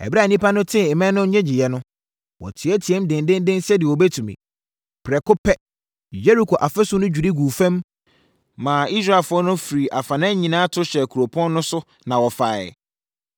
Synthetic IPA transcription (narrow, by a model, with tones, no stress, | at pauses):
ɛ̰˨ba˦˨nĩ˦pa˦nʊ̃˦tʰɪ̃˦˨mɛ̃˦nʊ̃˦ɲɛ̃˦d͡ʑɪ˨jɛ˨nʊ̃˦ | wɔ̰˨tʰɪ˨˦ɛ˦tʰi˨ɛ˦mdɪ̃˨ndɪ̃˦ndɪ̃˦n˦sɛ˦dɪ˨ɔ˨bɛ˦tʰũ˨mḭ̃˨ | pʰɾɛ˨kʊ˦pʰɛ˦ | je˦ɾi˨kʰo˨ʔa˨fɛ˦sʊ˦nʊ̃˦d͡ʑᶣu˨ɾi˦ɡuː˨fæ̃˦m | mãː˨i˦sɾa˦˨ɛ˨lfʊ˦ɔ˦nʊ̃˦fi˨ɾi˨ʔa˨fã˨nɛ̃˦ɲĩ˨nã˦tʰʊ˦ɕɛ˨kʰu˨ɾo˨pʰɔ̃˦nːʊ̃˦sʊ˦ | nã˨wɔ˨fa̰ː˨